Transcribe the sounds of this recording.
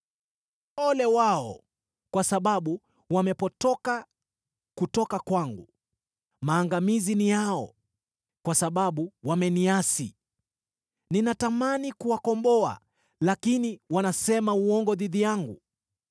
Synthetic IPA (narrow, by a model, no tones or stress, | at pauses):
ɔlɛwaɔ̰ | kwasaɓaɓu | wamɛpɔtɔka | kutɔkakwaŋɡṵ | maːŋɡamizinijaɔ̰ | kwasaɓaɓuwamɛniasḭ | ninatamanikuwakɔmbɔa̰ | lakiniwanasɛmauɔŋɡɔðiðijaŋɡṵ